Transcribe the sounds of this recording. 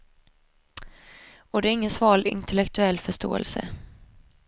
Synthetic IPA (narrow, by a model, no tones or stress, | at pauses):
ɔd̪ɛæɾɪŋːənsvɑːɭɪ̰nt̪ʰɛlɛkt̪ʰɵɛlːfœʂʈo̰ːɛ̰lsə̰